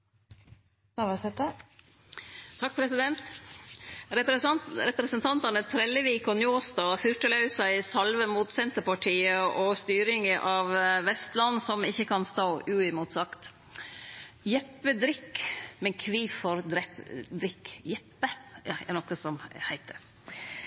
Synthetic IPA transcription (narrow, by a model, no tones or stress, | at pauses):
ɑʋɑsɛt̪ə | t̪ʰɑk̚pʰɾɛsɪd̪ɛnt̪ | ɾɛpɾɛsənt̪ʰɑnt̪ɑnət̪ʰɾɛlːəʋiːkɔnjoːst̪ɑːfʏɾʈəlɑʉsæɪsɑlʋəmuːt̪sɛnt̪əpɑʈʰiːəɔst̪yːɾɪŋəʔɑʋʋɛst̪lɑnːsɔmɪçːəkʰɑnst̪oːʉɪmuːt̪sɑkt̪ | jɛpːəd̪ɾɪkːmɛnkʰʋiːfɔɾd̪ɾɛd̪ɾɪkːjɛpːəɑænɔkːəsɔmhæɪt̪̚ə